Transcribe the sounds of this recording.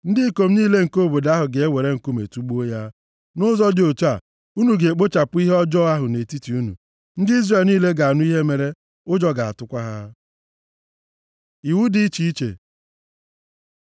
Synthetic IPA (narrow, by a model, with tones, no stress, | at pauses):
n̩˦dɪ˦ko˨m̩˦niː˦le˦ŋ̩˨ko˦˨bo˨da˦ɦʊ˨ɡe˨e˦we˨ɾe˦ŋ̩˨ku˦mḛ˨tu˦ɡ͡bo˦ja˦ | nʊ˦zɔ˦dɪ˨o˨t͡ʃa˨ | u˦nu˨ɡe˨e˨k͡po˦t͡ʃa˨pʊ˦i˦ɦe˦ɔ˦d͡ʒɔ˦a˦ɦʊ˨ne˨ti˦ti˨u˦nṵ˨ | n̩˦dɪ˦i˦zre˨lniː˦le˦ɡa˨a˨nʊ˦i˦ɦe˦me˨ɾe˦ | ʊ˦d͡ʒɔ˦ɡa˨a̰˨tʊ˦kʷa˦ɦa˦ | i˨wu˦di˦t͡ʃi˦i˦t͡ʃḛ˨